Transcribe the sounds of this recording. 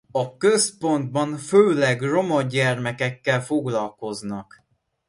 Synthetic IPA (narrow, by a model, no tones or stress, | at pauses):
ɒkøspo̞nd̪̚bɒɱføːlɛɡro̞mɒɟɛrmɛkɛkːɛlfo̞ɡlɒlko̞znɒk